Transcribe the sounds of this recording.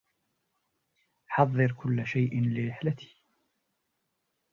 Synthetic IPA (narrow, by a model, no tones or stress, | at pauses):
ħɑðˤːɨɾkʰʊlːaʃajʔɪnlɪɾɪħlat̪ʰi̥ː